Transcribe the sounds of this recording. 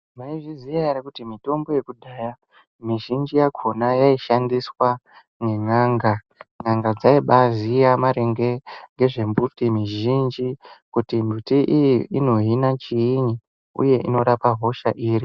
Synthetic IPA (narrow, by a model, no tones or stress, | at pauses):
maiʐizijajaɾikutimito̞mbo̞je̞kudʱaːja | miʒind͡ʒijakʰo̞najaiʃandiswa | ŋe̞ŋaːŋɡa | ŋaŋɡad͡zaiɓazijamaɾeŋɡe̞ŋɡe̞ʐe̞mbutimiʒind͡ʒikutimbutiʔijiino̞ɦinat͡ʃiiɲi | ṵje̞ʔino̞ɾapaɦo̞ʃaʔiːri